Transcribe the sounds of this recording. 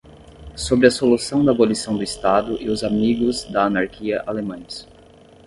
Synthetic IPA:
sobɾɪɐsolusɐ̃w̃d̪ɐabolisɐ̃w̃d̪ʊist̪ad̪ʊʔɪʊzamiɡʊzd̪ɐɐnaɾkʰiɐʔalemɐ̃j̃s

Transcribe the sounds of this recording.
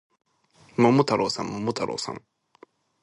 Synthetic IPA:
momut̪ʰɐɾʔosɐmːomut̪ʰɐɾʔo̰sɐ̰m

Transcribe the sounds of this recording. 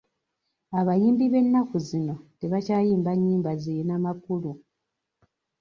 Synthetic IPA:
aβajiːmbiβe̞nːakuzino̞te̞βacaːjiːmbaɲːiːmbazijenamakulu

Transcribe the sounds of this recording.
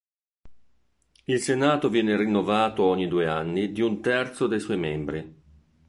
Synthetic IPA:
ilsenaːt̪ovjɛːnerinːovaːt̪ooɲːid̪uːeanːid̪iunt̪ɛrt̪sod̪ejswɔjmembɾi

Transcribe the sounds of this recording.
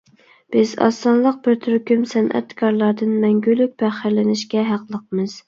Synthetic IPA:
b̥ɪzɑ̰sːɑnlˠəq̚bɪɾt̪ʰyɾkʲymsɛnʔɛ̰t̪kʰɑɾlˠɑɾd̪ɨnmɛŋɡʲylyk̚ʲpʰæχɪɾlɪnɪʃkʲɛɦæqlˠəqmɨz̥

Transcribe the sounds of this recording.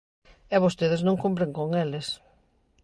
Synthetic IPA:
ɛβost̪eðɪznõŋkump̬ɾeŋkoŋelɪs

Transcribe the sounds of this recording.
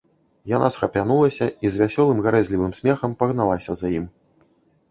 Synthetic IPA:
janasxɐpʲanulˠɐsʲɐizʲvʲasʲɔlˠɨmɣaɾɛzʲlʲivɨmsʲmʲɛxɐmpɐɣnalˠasʲɐzajim

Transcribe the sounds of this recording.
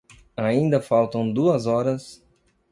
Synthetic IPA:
aĩnd̪ɐfawt̪ɐ̃w̃d̪uɐzɔɾɐs

